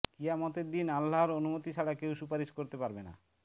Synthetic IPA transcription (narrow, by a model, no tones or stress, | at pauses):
kijamɔt̪eɾd̪inalːaɾonumot̪iʃʰaɽakewʃupaɾiʃkoɾt̪epaɾbena̰